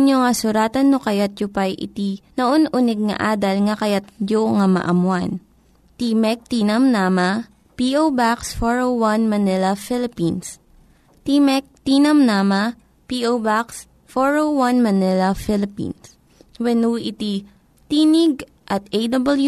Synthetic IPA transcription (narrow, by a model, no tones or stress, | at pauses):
ɲoŋɐsʊɾaːt̪ɐnːokɐjat̪̚jopajʔɪ̰t̪inɐʔonʔunɛɡ̚ŋɐ̰ʔaːd̪ɐlŋɐkɐjat̪̚d͡ʒoŋɐmɐ̰ʔɐmwan | t̪imɛk̚t̪iːnɐmnama | piʔowbaksfoɹowwanmɐnɛlɐfɪlɪpins | t̪imɛk̚t̪iːnɐmnama | piʔowbaks | foɹowanmɐnɪlɐfɪlɪpḭns | wɛnuʔɪt̪i | t̪iːnɪɡ̚ | ʔɐt̪̚ejd̪ɐbɐlju